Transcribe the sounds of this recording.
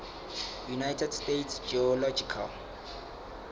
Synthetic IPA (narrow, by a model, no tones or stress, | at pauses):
junajtʰɛdstetsd͡ʒiɔlɔd͡ʒikʰa̰l